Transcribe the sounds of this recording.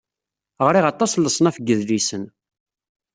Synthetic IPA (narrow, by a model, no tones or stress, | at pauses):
ʁɾiʁɑt̪ˤːɑslːəsˤənæfəɡːəðlisən